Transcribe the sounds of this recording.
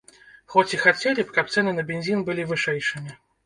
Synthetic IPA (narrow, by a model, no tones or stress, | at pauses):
xɔt͡sʲixat͡sʲelʲɪpkap̚t̪sɛnɨnɐbʲɪnʲzʲinbɨlʲivɨʂɛjʂɨmʲɪ